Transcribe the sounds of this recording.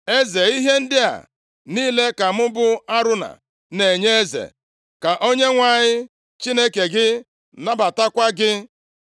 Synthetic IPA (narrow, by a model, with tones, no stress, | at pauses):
e˦ze˨i˦ɦe˦n̩˦dɪ˦a̰˨ | niː˦le˦ka˨mʊ˦bʊ˦a˦ɾʊ˦na̰˨ | ne˨ɲe˦e˦zḛ˨ | ka˨ʔo˦ɲe˦ŋʷa˨ɲɪ˦ | t͡ʃi˦ne˦ke˨ɡɪ˦ | na˦ba˨ta˦kʷa˦ɡɪ˦